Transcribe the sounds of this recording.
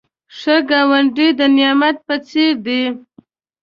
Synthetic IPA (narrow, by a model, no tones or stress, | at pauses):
ʂəɡawaɳɖid̪ənɪjɑmat̪̚pət͡seɾd̪i